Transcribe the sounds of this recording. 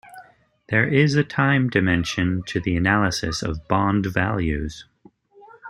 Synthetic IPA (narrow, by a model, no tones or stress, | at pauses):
ðə˞ʔɪzɨtʰãɪ̃mdɨmɛ̃nʃɨ̃ntʰɨðiɨnælˠəsɨsʌ̰vbɑ̃ndvæ̰lˠjʉz̥